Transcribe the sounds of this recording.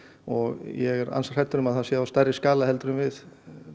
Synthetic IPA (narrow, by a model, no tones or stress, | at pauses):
ɔɣjɛɣɛɾa̰nsaɾ̥hɛt̪ʏɾʏmaðhansjɛːðawst̪aɾɪskaːlahɛlt̪ɾʏmvɪð